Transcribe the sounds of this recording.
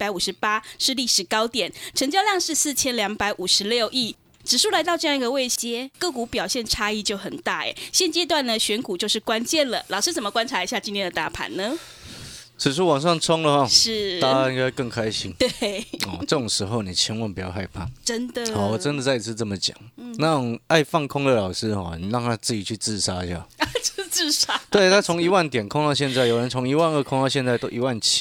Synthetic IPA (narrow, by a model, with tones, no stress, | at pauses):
pa˨˥ɪu˨˩ʂɻ̩˧˥pa˥ʂɻ̩˥˧li˥˩ʂɻ̩˨˩kɑ˥ʊt̪jɛ˨˩˦nʈ͡ʂʰə˧˥ŋt͡ɕjɑ˥˧jɑ˥˧ŋʂɻ̩˥˧s̩˥˩t͡ɕʰjɛ˥nljɑ˧˥ŋpa˧˥ɪʔu˨˩ʂɻ̩˧˦ljo˥˧ʊʔi˥˩ | ʈ͡ʂɻ̩˨˩ʂu˥˩la˧ɪt̪ɑ˥˧ʊʈ͡ʂɤ˧jŋi˧˥ɡə˧we˥˩ɕt͡ɕjɛ˥kɤ˥˩ku˧˥pjɑ˨˩ʊɕjɛ˥˩nʈ͡ʂʰa˥i˥˧t͡ɕjo˥˩ʊxə˨˩nt̪a˥˩ḛ˨˩ɕjɛ˥˩nt͡ɕjɛ˥t̪̬wa˥˩nə˩ɕɥɛ˧˥nku˨˩t͡ɕjo˥˧ʊʂ̩˥˩kwa˦˥nt͡ɕjɛ˥˩nlə˩lʔɑ˨˩ʊʂɻ̩˥t͡sə˨˩mə˦kwa˥nʈ͡ʂʰa˧˥i˧˥ɕja˥˩t͡ɕi˧˥nʰɛ˧˥˧d̪ə˨˩t̪a̰˥˩pʰa̰˧˥nnə˨ | ʈ͡ʂʰɻ̩˨˩ʂ̬ɻ̩˥˩wɑ˨˩ŋʂɑ˥˩ŋt͡sʰɔ˥ŋlə˨xɔ˥˧˩ʂɻ̩˥˩a˥˧i˥ŋka˥ɪkə˥˩ŋkʰa˥ɪɕi˦˥ŋt̪we˥˩ɔ˨˩ʈ͡ʂɤ˥˧˩ʊ˨˩ŋʂɻ̩˧˥xo˥˧ʊni˨˩t͡ɕʰjɛ˧˥nwə˧˩npu˨˩jɑ˥˧ʊxa˥˧ɪpʰa̰˥˩ʈ͡ʂə˦˥nd̪ə˨a˨˩˦wɔ˨˩ʈ͡ʂə˦nd̪ə˨t͡sa˥˧ɪi˧t͡s̩ʰ˥˧t͡sə˥˩mə˨˩t͡ɕjɑ̰˨˩ŋnɑ˥˧ŋa˥˧ɪfɑ˥˩ŋkʰʊ˥ŋd̪ə˨lɑ˨˩ʊʂɻ̩˦˥xɔ̰˥˧˩ni˨˩ɻɑ˥˧ŋt̪ʰa˦˥t͡sɹ̩˥˩t͡ɕi˨˩t͡ɕʰy˥˧t͡sɹ̩˥˧ʂa˥i˨˧ɕja̰˥˩˥t͡sɹ̩˥˩ʂa˦˥t̪we˥˩ɪt̪ʰa˥t͡sʰo˧˦˥ŋi˧wa˥˩nt̪jɛ˨˩nkʰʊ˥˧ŋt̪ɑ˥˧ʊɕjɛ˥˧nt͡sa˥˩ɪjo˨˩ɻə˧˦nt͡sʰo˧˥ŋi˧˥wa˥˧nə˥˧kʰʊ˥ŋt̪ɕjɛ˧nt͡sa˥˩ɪt̪o˥ʊʔi˧wa˥˨nt͡ɕʰi̥˦˥